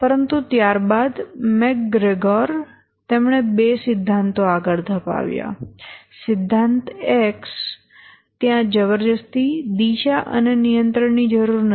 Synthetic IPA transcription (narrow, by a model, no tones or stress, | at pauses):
pəɾənt̪ut̪jaɾbad̪mɛk̚ɡɾeɡɔɾ | t̪emɳ̃ebesɪd̪ʱːant̪oaɡəɭd̪ʱəpa̰ʋja̰sɪd̪ʱːant̪eks | t̪jãd͡ʒəʋəɾd͡ʒəst̪id̪iʃaʔə̰nenijənt̪ɾəɳnid͡ʒəɾuɾnə